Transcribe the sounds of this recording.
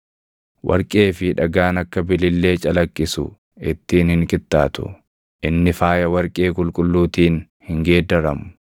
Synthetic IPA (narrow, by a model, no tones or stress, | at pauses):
wʔɐ̰ɾkʼeːfɪᶑɐɡaːnɐkːɐbɪlɪlːe̞ːt͡ʃʼɐlɐkʼːɪsʊ̰ | ɪt̪ːiːnhɪŋkʼɪt̪ʼːaːt̪ʊ̰ | ʔɪnːɪfaːjɐwɐɾkʼe̞ːkʼʊlkʼʊlːuːt̪iːn | hɪŋɡe̞ːd̪ɐɾɐmʊ̥